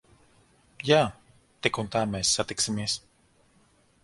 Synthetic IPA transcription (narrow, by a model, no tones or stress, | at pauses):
jaː | t̪ekunt̪aːmesːat̪iksemis